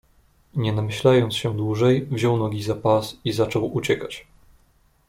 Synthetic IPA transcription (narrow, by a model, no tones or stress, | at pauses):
ɲɛnamɘɕlajɔnt̪sɕɛd̪wuʐɛjvʑɔwnɔɡʲizapasizat͡ʂɔwut͡ɕɛkat͡ɕ